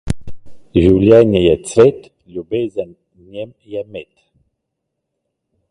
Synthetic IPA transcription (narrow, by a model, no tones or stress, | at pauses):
ʒuljanajat͡svɛt̪ | ljobɛzan | njɛm | jamɛt̪